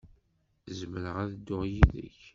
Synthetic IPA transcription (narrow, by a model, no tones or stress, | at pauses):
zməɾəʁæðd̪ːʊʁjiðə̰ç